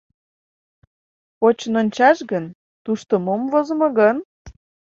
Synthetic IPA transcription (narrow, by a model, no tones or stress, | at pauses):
ot͡ɕənonʲt͡ɕɑʃɣən | t̪uʃt̪omomvozmoɣən